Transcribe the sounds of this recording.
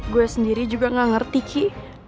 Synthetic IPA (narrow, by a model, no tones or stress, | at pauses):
ɡuɛsəndiɾid͡ʒuɡaŋaŋərt̪ikʰi